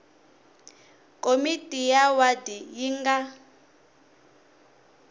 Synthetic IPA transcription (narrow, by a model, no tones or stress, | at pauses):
kʼomitʼijawadijiŋɡa